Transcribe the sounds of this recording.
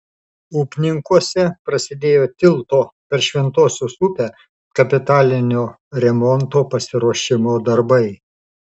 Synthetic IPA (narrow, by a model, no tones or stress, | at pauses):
uːpʲnʲɪŋkuɔsʲɛpɾɐsʲɪd̪ʲeːjoːt̪ʲɪlˠt̪oːpʲɛɾʃʲʋʲɛnt̪oːsʲʊsupʲæ | kɐpʲɪt̪ɑːlʲɪnʲoː | ɾʲɛmɔnt̪oːpɐsʲɪɾuɔʃʲɪmoːd̪ɐɾbɐɪ